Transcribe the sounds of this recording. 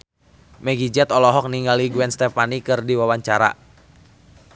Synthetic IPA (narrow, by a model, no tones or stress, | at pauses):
mɛɡid͡ʒɛt̪ɔlɔɦɔk̚niŋɡaliɡuɛnst̪ɛfanikɨrdiwawaɲt͡ʃaɾa̰